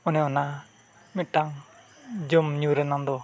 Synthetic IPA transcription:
ɔnɛɔna | mit̚ʈːaŋ | d͡ʒɔmɲuɾɛnaŋd̪ɔ

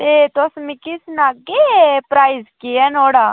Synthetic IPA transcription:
t̪et̪osmɪkisnaːɡepɾaːizkiɛnoːɽaː

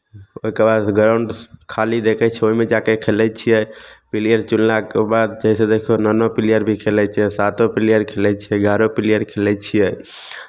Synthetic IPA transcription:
oɦikebad̪ɡɾaʊɳɖkʰalid̪ekʰɛt͡ʃʰɛoimed͡ʒakekʰelɛt͡ʃʰijɛpilijəɾt͡ʃunlakebad̪̚d͡ʒəsed̪ekʰijonənopilijəɾbʱikʰelɛt͡ʃʰijɛsat̪opilijəɾkʰelɛt͡ʃʰijɛɡaɾopilijəɾkʰelɛt͡ʃʰijɛ

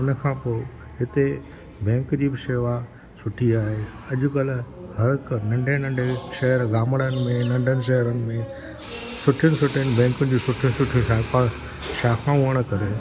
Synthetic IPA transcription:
ʊnəkʰãːpoːɪ | ɦɪt̪e | bɛ̃ːŋkd͡ʑiːbɪʃeːʋa | sʊʈʰiaːɦeɐʄʊ̆kɐlhɐɾknɐ̃ɳɖʱẽnɐ̃ɳɖʱeʃɐɦəɾɡaːməɽənɪ̆mẽnɐ̃ɳɖʱənɪ̆ʃ̬ɐɦəɾənɪ̆mẽ | sʊʈʰijənɪsʊʈʰijənɪ̆bɛ̃ːŋkʊnɪ̆d͡ʑiːsʊʈʰjʊ̃sʊʈʰijũʃaka | ʃaːkãuəɽ̃̆kɐɾe

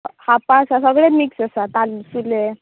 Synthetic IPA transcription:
hapãsasəɡɭemiksəsat̪alsule

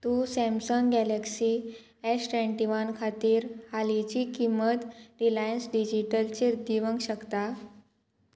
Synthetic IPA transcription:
t̪usɛ̃msəŋɡɡɛleksi | esʈʋeɳʈiʋənkʰat̪iːɾhalit͡ɕikimət̪ɾilajənsɖid͡ʑiʈəlt͡ɕeɾd̪iʋəŋɡɕəkt̪a

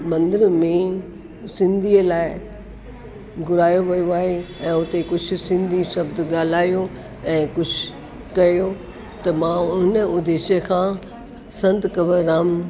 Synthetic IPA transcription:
mɐ̃nd̪əɾmẽ | sɪ̃nd̪ʱiːəlaːɪ | ɡʊɾaːjoʋɐjoaːɦeɛ̃ːʊt̪ekʊd͡ʑʱʰʊ̆sɪ̃nd̪ʱiʃɐbd̪ɠaːl̤aːjo | ɛ̃ːkʊd͡ʑʰʱ | kɐjo | t̪ɐmãʊnəʊd̪eːʃəkʰãː | sɐ̃nt̪kɐʋəɾaːm

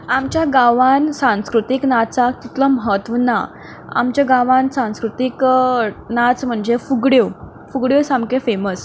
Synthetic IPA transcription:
amt͡ɕjaɡaʋansãw̃skɾut̪iknat͡sak̚t̪it̪ləməɦət̪ʋəna̰ | a̰mt͡ɕjaɡaʋãnsãskɾut̪ik | nat͡sm̤əɳd͡ʑefuɡɽjo | fuɡɽjosamkefeməs

